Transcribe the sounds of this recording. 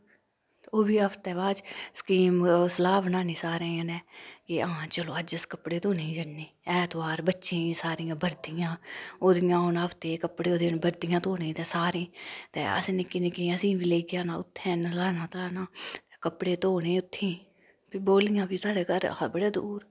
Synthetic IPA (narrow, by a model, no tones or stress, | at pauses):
t̪ːoːbiːəpʰt̪ɛːʋaːd͡ʒsə̥kiːmsəlaːbnãːnĩːsaːɾẽːnɛːkɪãːt͡ʃəlõːəd͡ʒəskəpɽeːt̪oːnẽːd͡ʒəɳneːɛːt̪ʋaːɾbətːʃẽːsaːɾĩjãːbəɾd̪ɪjãːoːd̪ɪjãːonaəpʰt̪eːkəpɽeːoːd̪eːnbəɾd̪ɪjãːt̪oːnẽːt̪ɛːsaːɾẽːt̪ɛ̰ːə̰sːnɪkɪnekiːəsĩːbiːleːkɪjaːnãːʊ̰t̪ʰːɛ̃ːnlaːnãːt̪laːnaːt̪ɛːkəpɽeːt̪oːnẽːʊt̪ʰːẽː | piːboːlijãːbiːsaːɽeːɡəɾbəɽeːd̪uːɾ